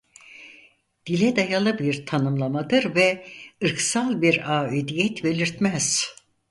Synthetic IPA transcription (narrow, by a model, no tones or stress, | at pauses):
d̪̥ilʲɛd̪ajalˠɯbiɾt̪ʰanɯmlˠamad̪ɯɾvɛɯɾksalˠbiɾaːed̪ijɛt̪be̞lʲiɾt̪mɛz̥